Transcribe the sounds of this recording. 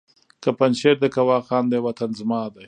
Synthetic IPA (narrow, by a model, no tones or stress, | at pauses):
kapanʃeɾd̪əkawɑːxɑːnd̪ewat̪anzmɑːd̪aj